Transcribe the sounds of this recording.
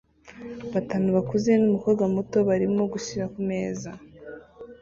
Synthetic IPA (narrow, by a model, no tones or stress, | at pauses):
βataːnuβakuze̞numukoɡamuto̞βaɾimo̞ɡuʃiɾakume̞ːza